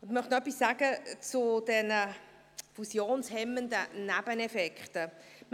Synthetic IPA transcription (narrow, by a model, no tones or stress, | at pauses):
ʊnd̪mœχtnoœpːisːaːɡ̥ət͡sʊd̥ɛnə | fusjoːnshɛmənd̪ənæb̥ənɛfɛkχtəm